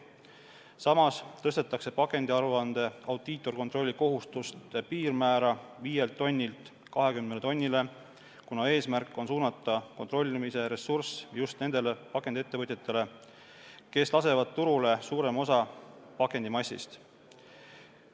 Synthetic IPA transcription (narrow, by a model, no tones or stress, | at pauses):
sɑmɑst̪ɤst̪e̞t̪ːˑɑkse̞pɑke̞nd̪̥iɑɾuɑnd̪̥e̞ɑwd̪̥iːt̪ːˑo̞rko̞nt̪ro̞lʲːiko̞ɦust̪ust̪epiːrmæːɾɑviːje̞lt̪ːo̞nʲːilt̪ˑ | kɑɦe̞kymnelet̪onʲːile̞ | kunɑe̞ːsmærkːˑo̞nsuːnɑt̪ːˑɑko̞nt̪ro̞lʲːimise̞ɾe̞sːursjust̪ne̞nd̪̥e̞le̞pɑkˑːe̞nd̪ie̞t̪ːe̞vɤt̪jet̪ːˑe̞le̞ | ke̞slɑse̞vɑd̪̥̚t̪uɾule̞suːɾe̞mo̞sɑpɑke̞nd̪̥imɑsḭst̪